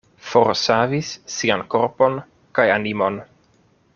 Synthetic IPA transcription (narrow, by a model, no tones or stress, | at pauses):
foɾsavisːianko̞ɾpo̞n | kajanimo̞n